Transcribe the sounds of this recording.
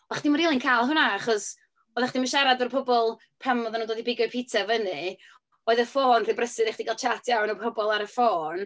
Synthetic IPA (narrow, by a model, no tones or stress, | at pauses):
ɔaχd̥imaɾiːlˠɨnkʰajlˠɦʊnaaχɔs | ɔðaχd̥imaʃaɾadɔrpʰɔbɔlˠ | pʰɛmɔðanuːndoːdibɪɡɔɨpʰitʰavənɨ | oːɨðəfoːnr̥ibrəsɨdeχd̥iɡalˠt͡ʃʰatʰjawnəpʰɔbɔlˠaɾəfoːn